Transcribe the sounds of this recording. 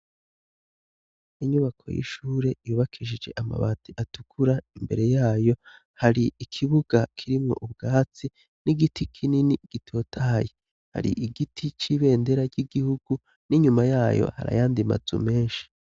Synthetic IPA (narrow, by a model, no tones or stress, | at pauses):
iɲuβakʰo̞̰jḭʃuːɾe̞juːβakʰiʒid͡ʒe̞ʔama̰βa̰ːtiʔatu̥kʰuɾaimbe̞ɾe̞jaːjo̞ | haɾiʔikʰiβuɡ̥akʰiɾimŋo̞̰ʔubɡaːt͡si | niɡitʰikʰininiɡ̥itʰo̞ːtʰaːje | ha̰ɾḭʔiɡitʰit͡ʃiːβe̞ːnde̞ɾaɟiɡihuɡ̥u | niɲumajaːjo̞̰ha̰ɾa̰jaːndima̰zṵme̞ːnʃi̥